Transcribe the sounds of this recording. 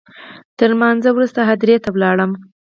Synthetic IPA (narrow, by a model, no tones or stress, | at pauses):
t̪əɾmɑnzawɾust̪aɦad̪ɾet̪awlɑɽəm